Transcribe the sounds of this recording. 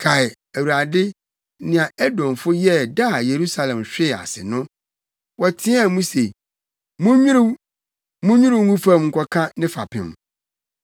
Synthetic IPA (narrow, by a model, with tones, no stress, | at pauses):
kʰa˨ɪ˨ | æ˨wu˨ɾa˨dɪ˦ | nɪ̃˨ã˨ɛ˦dɔ̃˨mfʊ˦jɛ˦˨da˦˨je˨ɾu˦sa˨lɛ̃˨mɕᶣɪ˦˨a̰˨sɪ̰˨nʊ̃˦ | wɔ˨tʰɪ̃˦a˦˨mũ˦se˨ | mũ˦ɲᶣĩ˦ɾu˦ | mũ˦ɲᶣũ˦ɾu˦ŋũ˦fã˦mŋ̩˨kʰʷɔ˦kʰã˦nɪ̃˦fa̰˨pʰɪ̰̃˨m